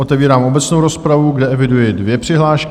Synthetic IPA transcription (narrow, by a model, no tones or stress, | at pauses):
ot̪ɛviːɾaːmo̞bɛt͡snowɾo̞spɾavuɡdɛʔɛvɪdujɪdvjɛpr̥ɪɦlaːʃk